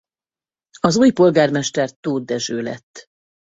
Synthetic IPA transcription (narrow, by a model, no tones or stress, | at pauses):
ɒzujpo̞lɡaːrmɛʃt̪ɛrt̪oːd̪ɛʒøːlɛ̰t̪ː